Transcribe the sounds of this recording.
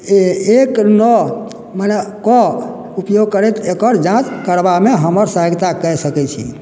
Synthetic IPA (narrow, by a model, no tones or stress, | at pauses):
eknɔ | manekɔ | upjoɡ̚kəɾɛt̪ekəɾd͡ʒãt͡ʃkəɾbameɦəməɾsaɦəɡt̪akɛsəkɛt͡ʃʰḭ